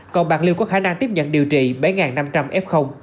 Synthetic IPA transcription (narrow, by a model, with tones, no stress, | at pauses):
kɔ˨˩nɓaː˨˩ŋli˧wkɔ˨˦kxaː˧˦na˧ŋt̪i˦˥p̚ɲə̰˧˨nɗi˨˩əwt͡ɕḭ˧˩ɓa˨˦jŋaː˨˩nːa˧mt͡ɕa˧mʔɛ˦˥p̚xə˧wŋ͡m